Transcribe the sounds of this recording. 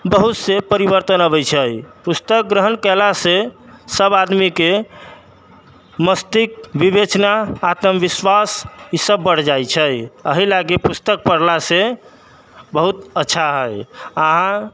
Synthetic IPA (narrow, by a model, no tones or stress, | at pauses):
bəɦut̪sepəɾibəɾt̪ənəβəjt͡ʃʰəjpust̪ək̚ɡɾəɦənkɛlasesəbad̪mike | məst̪ik̚bibet͡ʃnaat̪əmʋiswasisəbːəɽ̤d͡ʒajt͡ʃʰəjəɦilaɡepust̪ək̚pəɽlase | bəɦut̪ətːʃʰaɦəjaɦã